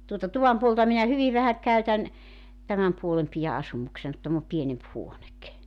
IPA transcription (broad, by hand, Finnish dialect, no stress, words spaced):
tuotɑ tuʋɑm puoltɑ minæ hyʋiʋ ʋæhæ kˑæytæn tæmæm puolem pijæ ɑsumuksen kŭ tæm o pienemp huonek